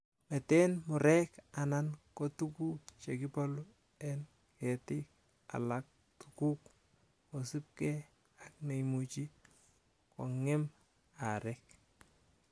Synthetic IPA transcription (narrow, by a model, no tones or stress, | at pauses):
mɛtɛnmʊɾɛkanankotukut͡ʃekɪpɔlu | ɛn | kɛtɪk | a̰lak̚ | tʰu̥kuk | kosɪp̚kɛ | akneimut͡ʃi | ko̰ŋɪm | aɾɛk